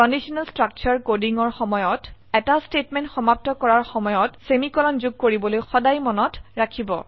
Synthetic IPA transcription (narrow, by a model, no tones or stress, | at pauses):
ɔndisɔnalstɹak̚t͡ʃɔɹkodiŋɔɹxɔmɔjɔtɛtastetmɛntxɔmap̚tɔkɔɹaɹxɔmɔjɔtsemikɔlɔnzuɡ̚koɹibɔlojxɔdajmɔnɔtɹakʰibɔ̰